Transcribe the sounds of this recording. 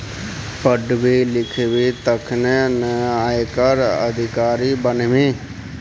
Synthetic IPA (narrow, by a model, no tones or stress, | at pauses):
pəɖbeːlɪkʰeːʋeːt̪əkʰnɛ̃ːnɛːaːeːkəɾə̰d̪ɪkaːɾiːbənʋẽː